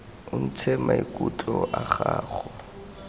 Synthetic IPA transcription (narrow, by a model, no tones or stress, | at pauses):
ʊn̩t͡sʰɛmaikʼut͡ɬʼɔʔaχaːχɔ